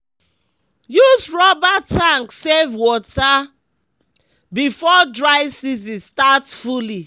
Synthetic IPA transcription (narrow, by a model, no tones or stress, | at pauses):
jusɹɔbatʰãŋksevwɔta | bifɔdɹaɪsis̬istatfuli